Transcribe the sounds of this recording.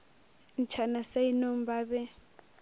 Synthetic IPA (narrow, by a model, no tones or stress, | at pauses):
nt͡ʃʰanasainombabɛ